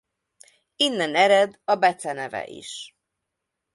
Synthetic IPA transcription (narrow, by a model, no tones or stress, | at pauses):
inːɛnɛɾɛd̪ɒbɛt̪sɛnɛvɛ̰ʔḭʃ